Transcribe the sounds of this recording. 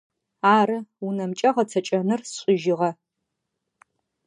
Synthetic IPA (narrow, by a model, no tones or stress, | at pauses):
aːɾɨunɐmt͡ʃʼɐʁɐt͡sʰɐt͡ʃʼɐnɨrsɕʷʼɪʒɪʁɐ